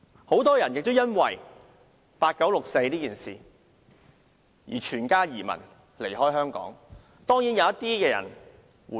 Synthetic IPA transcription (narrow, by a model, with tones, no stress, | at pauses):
ho˨˥wt̪ɔː˥jɐ˨˩njɪ˨k̚t̪o˥wjɐ˥nwɐ̰˨˩j | paː˧t̚kɐ˨˥wlʊ˨k̚se˧jliː˥kiː˨˩nsḭː˨˩ | jḭː˨˩t͡ʃʰyː˨˩nkaː˥jiː˨˩mɐ̰˨˩n | le˨˩jɦɔː˥jhœː˥ŋkɔ̰ː˨˥ŋ | t̪ɔː˥ŋji˨˥njɐ˨˧wɐ˥t̪iː˥kɛː˧jɐ̰˨˩n | wuː˨